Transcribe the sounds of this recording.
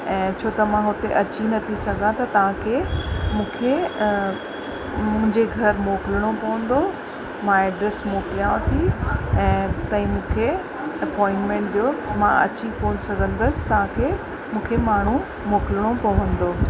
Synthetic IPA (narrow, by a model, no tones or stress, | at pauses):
ɛ̃ːt͡ɕʰoːt̪ɐmãɦʊt̪eʔɐt͡ɕinɐt̪ʰisɐɡʱãt̪ɐt̪ɐʋ̤ãkʰeːmũːkʰe | mʊ̃ɦɪ̃ɲd͡ʑeɡʱɐɾmoːkɪlɪɽ̃opɐʋə̃nd̪o | mãeːɖɾesmoːkɪlijãʋt̪ʰiɛ̃ːt̪ɐ̃ɦĩmũːkʰe | ɐpɔːɪ̃ɳʈmẽɳʈɗijomãɐ̰t͡ɕikoːnɪsɐɡʱə̃nd̪əsɪ̥t̪ɐʋ̤ãkʰeː | mũːkʰemaːɳ̤u | moːkɪlɽ̃opɐʋə̃nd̪oː